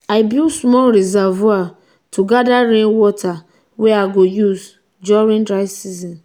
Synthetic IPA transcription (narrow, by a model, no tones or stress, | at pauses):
aɪbilsmɔlɾizavua | tʰuɡadaɾẽnwɔtʰa | wɛaɡojuz | d͡ʒɔɹĩndɾaɪsizɔ̃n